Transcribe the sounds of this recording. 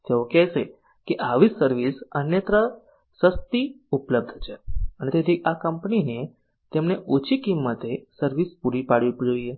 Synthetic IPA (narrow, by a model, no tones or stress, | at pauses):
t̪eokɛʃe | keʔaʋisəɾʋisənjət̪ɾə | səst̪i | upləb̚d̪ʱt͡ʃʰeənet̪et̪ʰiakəmpnine | t̪emneʔot͡ʃʰikimːət̪esəɾʋispuɽipaɽʋid͡ʒoie